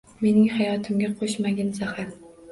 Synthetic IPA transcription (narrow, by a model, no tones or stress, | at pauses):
me̞nɪŋhajɒt̪ʰɪmɡʲaqʰoʃmaɡʲanzahaɾ